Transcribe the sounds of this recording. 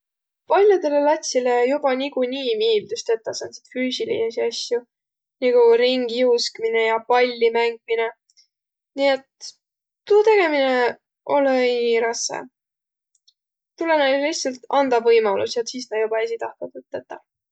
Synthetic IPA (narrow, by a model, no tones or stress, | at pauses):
pɑlʲjod̪e̞le̞lɑt̪ʲsilejub̥ɑnikuniːmiːld̪ust̪et̪ːɑsɑnsi̥t̪fyːsilḭesiɑsju | niɡ̥uɾiŋɡ̥iuskmine̞jɑpɑlʲːimæŋɡ̥̚mine̞ | niet̪ː | uːt̪e̞ɡ̥e̞mine | ʔo̞leɾɑsːḛ | t̪ulenelliht̪sɑlt̪ɑnd̪̥ɑvɤjmɑlṵsjɑt̪siːsnɑ̥jubɑesit̪ɑhkɑd̪vɯt̪ːˑet̪ːɑ